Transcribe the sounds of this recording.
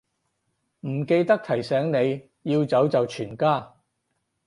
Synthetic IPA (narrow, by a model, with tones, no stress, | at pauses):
m̩˨˩ke˧jt̪ɐ˥k̚t̪ʰɐ˨˩jsɛː˨˥ŋne˨˧j | jiː˧wt͡sɐ˨˥wt͡sɐ˨wt͡ʃʰyː˨˩nkaː˥˩